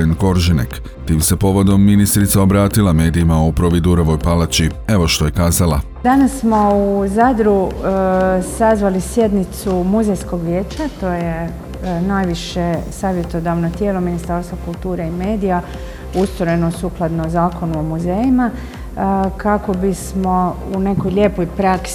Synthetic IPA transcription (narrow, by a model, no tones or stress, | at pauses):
enko̞ɾʒinḛk | t̪iːmse̞po̞ʋo̞d̪o̞mːinist̪ɾit̪saobɾaːt̪ilˠame̞ːd̪iːmaopɾoʋid̪uɾoʋo̞jpalat͡ɕie̞ʋo̞ʃt̪oje̞kaːzalˠa̰ | d̪anasːmo̞uzad̪ɾu | sazʋalisje̞d̪nit̪sumuzejsko̞ɡʋjeːt͡ɕat̪o̞je | najʋiʃesaːʋje̞t̪o̞d̪aʋnot̪je̞ːlominist̪aɾst̪ʋakulˠt̪uːɾeime̞ːd̪ija | ust̪ɾojenosuːklˠad̪nozaːko̞nuomuzejima | kʰako̞bismo̞ | une̞kojʎʲeːpojpɾaks